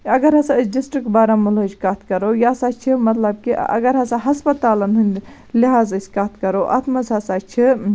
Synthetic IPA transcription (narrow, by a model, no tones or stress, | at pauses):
ɐɡɐɾɦɐsãd͡ʒisʈikbaːɾamulɐt͡ʃʰkat̪ʰkɐɾowjasat͡ʃʰimɐt̪lɐbkiɐ̰ɡɐɾɦɐ̃sɐ̃ɦɐspɐt̪aːlɐnɦun | liɦaːzət͡ʃkat̪ʰkɐɾowʔa̰t̪ʰmɐzasat͡ʃʰi